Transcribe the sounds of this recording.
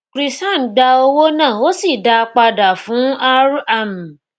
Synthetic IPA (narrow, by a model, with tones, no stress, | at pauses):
kɾi˦sa˦n˨ɡ͡ba˧o˧wo˦nãː˦˨o˦si˦˨da˧k͡pa˧da˨fũ˨˦a˦ɾa˦˨nũ˨